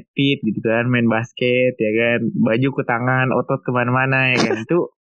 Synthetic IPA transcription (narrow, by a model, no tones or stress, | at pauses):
fit̪̚ɡit̪ukanmaɪnbaskɛt̪jakanbad͡ʒukut̪aŋanɔ̰t̪ɔt̪̚kəmanamanajakanit̪u